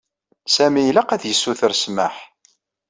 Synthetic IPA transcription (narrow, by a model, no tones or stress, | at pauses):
sæmijlaqæðjəsːuθəɾsməħ